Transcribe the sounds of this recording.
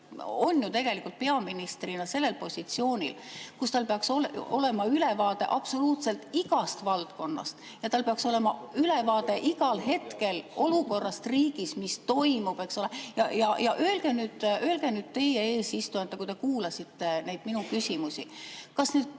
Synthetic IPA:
o̞nːjut̪e̞ɡ̥e̞likːˑult̪̚pe̞ɑminist̪rinɑse̞lːe̞lpo̞sʲit̪sio̞ːnʲḭlkust̪ɑlpeɑksolo̞le̞mɑyle̞vɑːd̪e̞̰ʔɑb̥so̞luːt̪se̞lt̪iɡɑst̪vɑlt̪ko̞nːɑ̰st̪ | jɑt̪ɑlpe̞ɑkso̞le̞mɑyle̞vɑːd̪e̞ʔiɡɑlɦe̞t̪ke̞lʔo̞luko̞rːɑst̪riːɡ̥ismist̪o̞jmub̥e̞ksolejɑjɑjɑʔø̞elɡ̥e̞nyːd̪̥ø̞elɡ̥e̞nyːd̪̥̚t̪e̞jee̞ːsist̪uɑnt̪ːˑekujt̪e̞kuːlɑsit̪ːe̞nejd̪̥minukysimusʲikɑsneːd̪̥̚

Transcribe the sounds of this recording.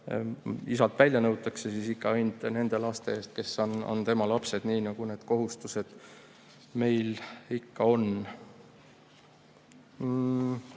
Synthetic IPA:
isɑlt̪vælʲjɑnɤwt̪ːˑɑkse̞sisikːɑɑjnt̪ne̞nd̪̥e̞lɑst̪e̞eːst̪̚ke̞sːono̰nt̪e̞mɑlɑpse̞d̪̥niːnɑɡ̥une̞ːd̪̥ko̞ɦust̪use̞d̪̥ | me̞jlikːɑo̞n

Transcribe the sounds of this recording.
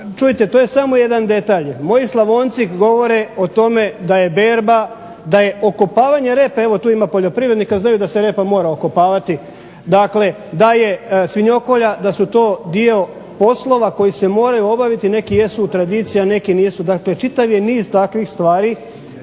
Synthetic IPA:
t͡ʃujit̪et̪oːje̞samo̞je̞d̪and̪e̞t̪aʎmo̞jislˠaʋoːnt̪sikɡo̞ʋo̞ɾeot̪o̞me̞d̪aje̞beːɾba | d̪aje̞ʔokopaːʋaɲe̞ɾe̞ːpae̞ʋo̞t̪uːimapo̞ʎo̞pɾiʋɾe̞d̪nikaznajud̪aseɾe̞ːpamo̞ːɾaokopaːʋat̪i | d̪akle̞ | d̪aje̞sʋiɲo̞ko̞ʎad̪asut̪o̞ːd̪io̞ | po̞slˠo̞ʋako̞jise̞mo̞ːɾajuo̞baʋit̪ine̞kije̞sut̪ɾad̪iːt̪sijane̞kiniːsud̪akle̞t͡ʃit̪aʋje̞niːzt̪akʋixst̪ʋaːɾi

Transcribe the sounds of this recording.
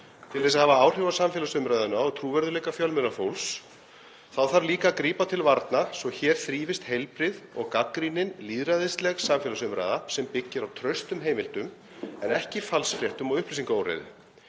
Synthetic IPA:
t̪ʰɪlθɛs̬aðhavaaːwr̥ɪvasamfɛːlasʏmɾajðʏnaɔɣt̪ʰɾuːvɛɾðʏlɛːjkafjœlmʏnafowls | θawθaɾliːkakɾiːpat̪ʰɪlvaɾt̪nasvɔçɛːɾ̥θɾiːvɪst̪hejlpɾɪðɔ̰ɣkakɾinɪnliːðɾaðɪst̪lɛɣsamfɛlasʏmɾa̰jðasɛmpɪcːɪɾawt̪ʰɾœɥst̪ʏmɦeːjmɪlt̪ʏm | ɛnɛhcɪfalsfɾjɛht̪ʏmɔɣʏhplis̬iŋkoːwrḛjðʏ̰

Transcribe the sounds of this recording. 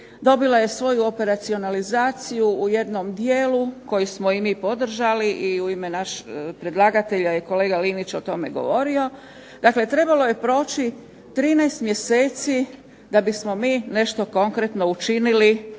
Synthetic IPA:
d̪o̞bilaje̞sʋo̞juo̞pe̞ɾat̪sio̞nalizaːt̪sijuːje̞d̪no̞md̪jeːluko̞jusmo̞imipo̞d̪r̩ʒaliʔiuime̞naʃpɾed̪lˠaɡat̪e̞ʎajeko̞le̞ːɡalinit͡ɕo̞t̪o̞me̞ɡo̞̰ʋo̞ɾio̞ | d̪akle̞t̪ɾe̞balo̞je̞pɾo̞ːt͡ʃi | t̪ɾiːnɛjst̪mje̞se̞ːt̪si | d̪abismo̞miːne̞ʃt̪o̞ko̞ŋkɾet̪no̞ut͡ʃinili

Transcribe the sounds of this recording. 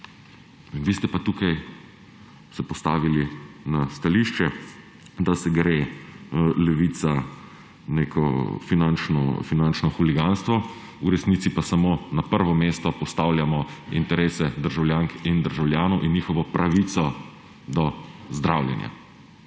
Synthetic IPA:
ʋiːst̪ɛpat̪uːkaj | sɛpɔst̪aːʋilinast̪aliːʃt͡ʃɛ | d̪asɛɡɾeː | lɛʋiːt̪sa | neːkʰɔ̰finant͡ʃnɔ̰finant͡ʃnɔxuliɡanst̪ʋɔ | uɾɛsnit̪sipasamonapəɾʋɔmeːst̪ɔpɔst̪aːwljamɔint̪ɛɾeːsɛd̪əɾʒawljaːŋkind̪əɾʒawljaːnɔwʔinːiːxɔʋɔpɾʔaʋit̪sɔ | d̪ɔzd̪ɾawljɛ̰nja̰

